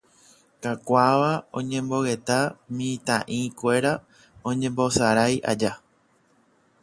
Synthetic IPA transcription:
kakʷaʋaõ̞̰ɲẽ̞mbo̞ɣe̞t̪amĩt̪ãʔĩkʷe̞ɾa | õ̞ɲẽ̞mbo̞saɾaja̰d͡ʒa

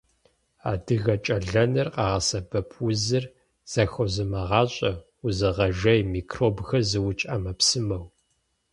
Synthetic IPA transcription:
a̰ːdɨɣɐt͡ʃʼɐɮɐnɐrqɑːʁɐsɐbɐpʰʼwʊzɨr | z̥ɐxʷɔzɨmɐʁɑːɕʼɐ | uzɐʁɐʒɐjmiːkʰroːbxɐzɨwʊt͡ʃʼamɐpsɨmɐw

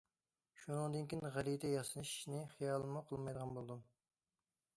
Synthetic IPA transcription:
ʃunɨŋd̪ɨnkʲinʁælijd̪ɛjɑsɨnɨʃnɪχijɑːlˠɨmuqʰəlˠmɑjd̪əʁɑnbolˠɨd̪um

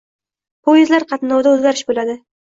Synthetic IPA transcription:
pʰojezlaɾqʰɑt̪nɒwd̪aɵzɡʲaɾɪʃbolad̪ɪ

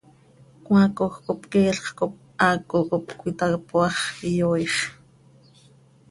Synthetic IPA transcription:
kwãːkoxkopkeːɬχkop̚ | aːkʼokopkʷit̪apoɑχijoːjʃ

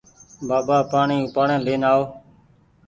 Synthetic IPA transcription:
baːbaːpaːɳĩːpaːɳẽːleːnaːoː

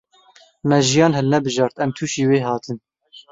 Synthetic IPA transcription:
mɛʒijɑːnhɛlnɛbɨʒɑːɾt̪ɛmt̪ʰuːʃiːweːɦɑːt̪ʰɨn

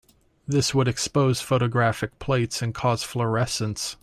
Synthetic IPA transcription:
ðɪswəɾɨkspoʊz̥foʊɾɨɡɹæfɨk̚pʰl̥eɪtsɨ̃nkʰɔz̥flə˞ɛsə̃ns

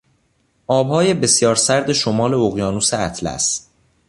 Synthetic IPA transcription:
ʔɒːbhɒːje̞be̞sjɒːɾsæɾd̪e̞ʃomɒːle̞oɣjɒːnuːseæt̪ʰlæ̰st̪

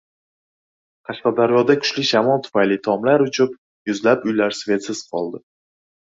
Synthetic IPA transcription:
qʰɑʃqɑd̪aɾjɒd̪akʰʊ̥ʃlɪʃamɒlˠt̪ʰʊ̥fajlɪt̪ʰɒmlaɾʊt͡ʃʰʊp | jʊzlapʊjlaɾsve̞t̪sɪz̥qʰɒlˠd̪ɪ

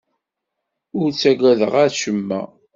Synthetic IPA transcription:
ʊɾt͡sːæɡʷæðəʁæʃəmːæ̰

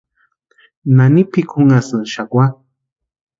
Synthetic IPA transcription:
nanipikʰuŋasɨnʃakwʷa

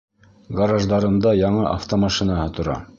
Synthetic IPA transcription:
ɡɑɾɑʒd̪ɑɾɤ̆nd̪ɑjɑɴɤʔa̰ft̪omɑʃinaɦɤt̪ŏɾɑ̰

